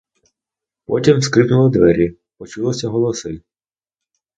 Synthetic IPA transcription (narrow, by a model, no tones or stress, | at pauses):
pɔtʲimskɾɪpnʊlˠɔd̪ʋɛɾʲi | pɔt͡ʃulˠɔsʲɐɦɔlˠɔsɪ